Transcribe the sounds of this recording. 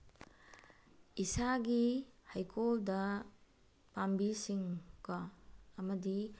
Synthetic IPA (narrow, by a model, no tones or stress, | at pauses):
isaɡihajkʰoldɐ | pambisiŋkɔɐmɐdi